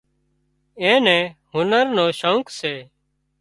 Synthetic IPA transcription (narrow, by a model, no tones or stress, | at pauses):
ɛ̃ːnɛ̃ːɦʊnəɾnoːʃəũːkseː